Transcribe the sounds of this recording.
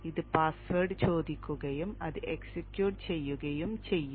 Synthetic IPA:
iðɨpaːsʋɐrɖɨt͡ɕo̞ːd̪ikʲːuɣɐjumɐðɨʔeksekjuːʈt͡ɕe̞jːuɣɐjumt͡ɕe̞jːu

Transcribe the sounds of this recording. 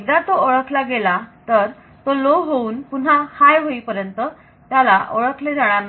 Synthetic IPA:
eɡd̪at̪oəɭəkʰlaɡelat̪əɾ | t̪oloɦouːnpun̤ahajɦoipəɾjənt̪ə | t̪jalaʔəɭəkʰled͡zʱaɭ̃anː

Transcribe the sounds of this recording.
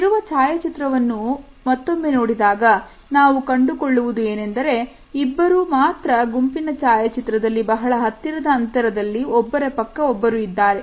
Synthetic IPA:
iɾuʋɐt͡ʃaːjɐt͡ʃit̪ɾɐʋɐnːu | mɐt̪ːomːe̞no̞ːɽid̪aːɡɐ | naːʋukɐɳɖukoɭːuʋud̪ue̞ːne̞nd̪ɐɾe̞ | ibːɐɾumaːt̪ɾɐɡumpinɐt͡ʃaːjɐt͡ʃit̪ɾɐd̪ɐlːibɐɦɐɭɐɦɐt̪ːiɾɐd̪ɐːnt̪ɐɾɐd̪ɐlːiɔbːɐɾe̞pɐkːɐɔbːɐɾuid̪ːaːɾe̞

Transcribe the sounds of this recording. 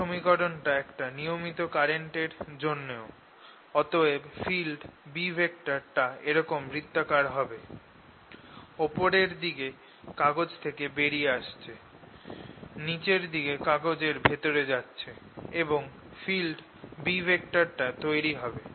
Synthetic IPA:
ʃomikɔɾonʈaɛkʈanijomit̪okaɾeɳʈeɾd͡ʑonːeo | ɔt̪oebfilɖbibʱek̚ʈaɾʈaeɾɔkomɾid̪ːokaɾɦɔbe | opoɾeɾd̪iɡe | kaɡod͡ʑt̪ʰekebeɾieaʃt͡ɕʰe | nit͡ɕeɾd̪iɡekaɡod͡ʑeɾbʱet̪oɾed͡ʑatːɕʰeeboŋ | filɖ | bibʱek̚ʈaɾʈat̪ojɾiɦɔbe

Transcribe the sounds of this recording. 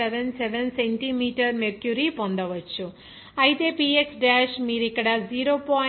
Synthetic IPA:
eʋenseʋensenʈimiːʈɐɾmeɾkjuɾipond̪ɐʋɐt͡ʃːu | ɐjit̪e̞ːpiːeksɖaːʃmiːɾuikːɐɽɐd͡ʒiːɾoːpaː

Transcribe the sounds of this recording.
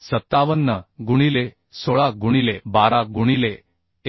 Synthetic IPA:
sət̪ːaʋənːəɡuɽ̃ile | soɭaɡuɽ̃ilebaɾaɡuɽ̃ile

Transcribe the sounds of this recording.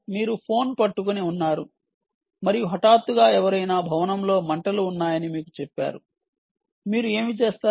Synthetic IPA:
miːɾupʰo̞ːnpɐʈːukuniunːaːɾu | mɐɾijuɦɔʈaːt̪ːuɡaːɛʋɐɾɐjnaːbʱɐʋɐnɐmlo̞ːmɐɳʈɐluːnːaːjɐnimiːkut͡ʃɛpːa̰ːɾu | miːɾue̞ːmit͡ʃe̞ːst̪aː

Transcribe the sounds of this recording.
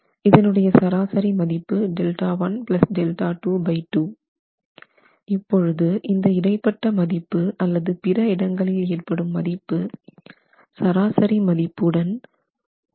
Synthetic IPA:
ɪðɐnɯɽɐjɐsɐɾaːsɐɾimɐðɪpːɯɖɛlʈaːʋɐnpɪlɐsɖɛlʈaːʈuːbɐɪʈːuː | ɪpːɔɻɯðɯʔɪnd̪ɐɪɽɐɪpːɐʈːɐmɐðɪpːɯɐlːɐðɯpɪɾɐɪɽɐŋɡɐɭɪleːrpɐɽɯmːɐðɪpːɯ | sɐɾaːsɐɾimɐðɪpːɯɽɐn

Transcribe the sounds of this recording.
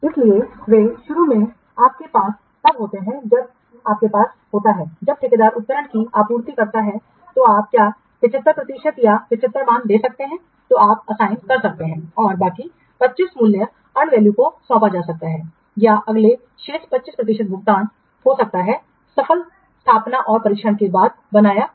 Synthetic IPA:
ɪslieʋeːʃʊɾumẽ | aːp̚kepaːsːɐbɦoːt̪eɦɛ̃d͡ʒɐb̚ | aːp̚kepaːs | ɦoːt̪aɦɛːd͡ʒɐb̚ʈ̪ʰɪked̪aːɾʊt̪̚kəɾəɳkiaːpuːɾt̪ikɐɾt̪aɦɛ | t̪oaːp̚kjaː | ʋɪt͡ʃɪt̪ɾəpɾɐt̪iʃət̪jaʋɪt͡ʃɪt̪ɾəmaːnd̪eːsɐk̚t̪eɦɛ̃ | t̪oaːpɐsaːɪnkɐɾsɐk̚t̪eɦɛ̃ɔːɾbaːki | pɐtːt͡ʃɪsmʊljə | ɐ̃ɳɖʋɛːljukoswãːpad͡ʒaːsɐk̚t̪aɦɛː | jaʔɐɡle | ʃeːʃpɐtːt͡ʃɪspɾɐt̪̬ɪʃət̪̚bʱʊɡ̚d̪aːn | hosɐk̚t̪aɦɛː | sɐfʰəl | st̪ʰaːpnaʔɔːɾpɐɾɪːkʃʰəɳkebaːd̪̚ | bɐnaːja

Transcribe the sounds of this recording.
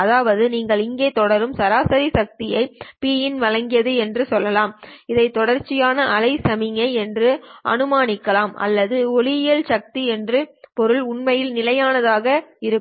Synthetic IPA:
ɐðaːʋɐðɯniːŋɡɐɭɪŋɡeːt̪ɔɽɐɾɯmsɐɾaːsɐɾisɐk̚t̪ɪjɐɪpiːjɪnʋɐɻɐŋɡɪjɐðɯɛndrɯsɔlːɐlaːmɪðɐɪt̪ːɔɽɐɾt͡ʃːɪjaːnɐʔɐlɐɪsɐmɪŋɐɪɛndrɯʔɐ̰nɯmaːnɪkːɐlaːmʔɐ̰lːɐðɯɔɭɪjɐlsɐk̚t̪iɛndrɯpɔɾɯɭʊɳmɐjɪlnɪlɐjaːnɐðaːɣɐɪɾɯ

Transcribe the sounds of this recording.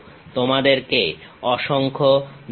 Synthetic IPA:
t̪omad̪eɾkeɔʃoŋkʰon

